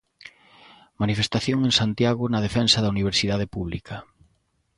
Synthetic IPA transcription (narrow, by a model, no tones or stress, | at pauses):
manifest̪aθjoŋeŋsant̪jaɣʊnɐð̞efɛnsɐðɐuniβ̞eɾsiðað̞epuβlḭkɐ